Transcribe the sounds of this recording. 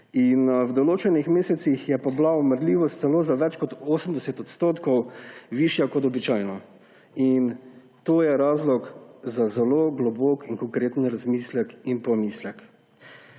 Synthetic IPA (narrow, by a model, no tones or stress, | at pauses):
inwd̪ɔloːt͡ʃɛnixmeːsɛt̪sixjɛpablaɔməɾliːʋɔst̪sɛloːzaʋɛt͡ʃkɔt̪oːsəmd̪ɛset̪ɔt̪st̪oːt̪kɔwʋiʃjakɔt̪ɔbit͡ʃaːjnɔ | in | t̪oːjɛɾaːzlɔkzazɛloːɡlɔboːkiŋkɔŋkɾeːt̪nɾazmislɛkinpɔmiːslɛk